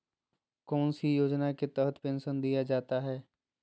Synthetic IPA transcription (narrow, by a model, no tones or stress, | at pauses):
kɔːnsijoːd͡ʒnaket̪ɛɦət̪pẽːnsənd̪ijad͡ʒaːt̪aɦɛː